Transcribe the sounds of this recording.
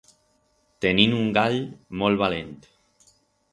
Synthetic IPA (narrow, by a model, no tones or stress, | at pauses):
t̪eninuŋɡaʎmolβalent̪